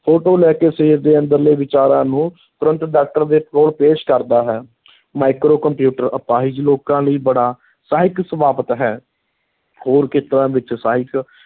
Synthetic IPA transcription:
pʰoːʈoːlɛːkeːseiːɾd̪eːə̃nd̪əɾləːʋɪt͡ʃaːɾãːnũː | t̪ʊɾə̃nt̪ɖaːk̚ʈəɾd̪eːpɾoːɽpeːʃkəɾd̪aːɦɛː | maːkɾoːkəmpjuːʈəɾəpaːɦɪd͡ʒloːkãːləiːbəɽaː | saːɦɪksəmaːpət̪ɦɛː | hoːɾkɪt̪ɾãːʋɪt͡ʃsaːɦɪk

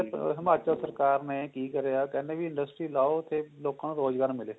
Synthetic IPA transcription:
ɦɪmaːt͡ʃəlsəɾkaːɾnẽːkiːkəɾeaːkɛ̃ːneːbiɪ̃ɳɖəsʈɾiːlaːot̪ʰeːloːkãːnũːɾoːd͡ʒɡaːɾmɪleː

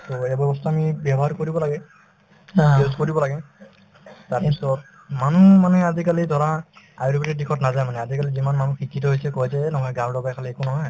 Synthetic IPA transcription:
tɔejabjɔbɔstʰaːmibjabɔɦaɹkoɹibɔlaɡɛ | ozkoɹibɔlaɡɛ | taɹpisɔt̚ | manumanɛazikalidʱɔɹa | a̰jɾbiʈidikʰɔtnazajmanɛazikalizimanmanukʰikʰːit̬ɔɦojsɛkɔjsɛnɔɦɔjɡaldɔbajkʰaliekunɔɦɔj

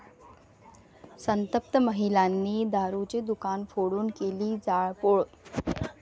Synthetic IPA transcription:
sənt̪əp̚t̪əməɦilaːnːid̪aːɾut͡ɕed̪ukaːnfʰoɽuːn̆kelid͡zaːɭpoːɭ

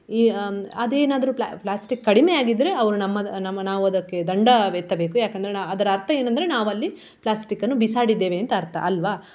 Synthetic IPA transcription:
iɐd̪eːnaːd̪ɐɾupa̰plaːsʈikːɐɽimejaːɡid̪ːɐɾe̞ɐʋɐɾunɐmːɐnɐmːɐnaːʋuɐd̪ɐkːe̞d̪ɐɳɖɐʋet̪ːɐbe̞ːkujaːkend̪ɐɾeaɐd̪ɐɾɐɐɾt̪ʰɐe̞ːnɐnd̪ɐɾe̞naːʋɐlːi | plaːsʈikːɐnːubisaːɽid̪ːeːʋeːnt̪ɐːɾt̪ʰɐ̰ʔɐlʋaː

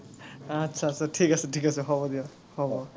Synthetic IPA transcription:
atːsʰasaʈʰikasɛʈʰikasɛɦɔbɔd̪ia | hɔbɔ

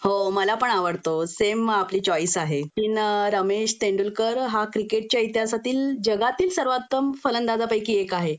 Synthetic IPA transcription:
homəlapəɳaʋəɽt̪osemapliːt͡ɕɔiːsaɦekiːnɾəmeɕt̪eɳɖulkəɾɦakɾikeʈ̚t͡ɕjait̪jasat̪iːld͡ʑəɡat̪iːlsəɾʋat̪ːəmfələnd̪ad̪ʱapəjkiːekaɦe

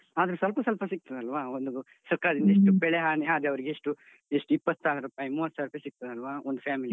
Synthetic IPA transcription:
aːd̪ɐɾesɐlpɐsɐlpɐsik̚t̪ɐd̪ɐlːʋaːond̪u | sɐɾkaːɾɐd̪ind̪ɐeʂʈupɛɭeɦaːɳiaːd̪ɾeɐʋɐɾiɡeeʂʈu | eʂʈuipːɐt̪ːsaːɽɐɾupaːjimuːʋɐt̪ːsaːɾupːaːjsik̚t̪ɐd̪ɐlːɐʋaːond̪upʰjaːmili

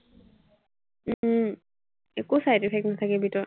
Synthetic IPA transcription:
ekusajtɛpʰɛknatʰakɛbitɔ

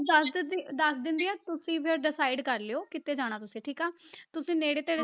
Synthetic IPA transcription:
d̪əsd̪əsd̪ɪnd̪iːɛːt̪ʊsĩːpʰɪɾɖɪsaːiɖkəɾleːoːkɪt̪eːd͡ʒaːɽ̃aːt̪ʊsĩːʈʰiːkaːt̪ʊsĩːneːɽeːt̪eːɽe

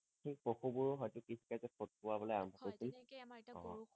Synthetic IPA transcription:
xipoxubuɹɔɦɔjtʊkitʰi̥kazɛpʰot̚kʊwabɔlojaɹɔmbʱɔkojsʊnɔ̰

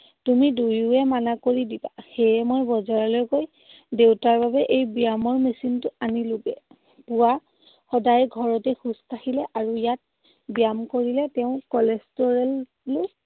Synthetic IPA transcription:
tumidujuɛmanakoɹidibaxejɛmojbɔzaɹɔlojkoj | dewtaɹbabɛʔejbiamɔɹmesintʊanilʊbɛ | puwa | xɔdajɡʱɔɹɔtɛxuskahilɛʔaɹujat̚ | bijamkoɹilɛtɛʊ̃kɔlɛstɔɹɛlː | o

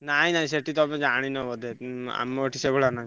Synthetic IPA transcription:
naĩnaɦĩseʈit̪ɔmed͡ʒaɽ̃inɔbɔd̪ʱea̰meʈʰiseɡoɭanaɦĩ

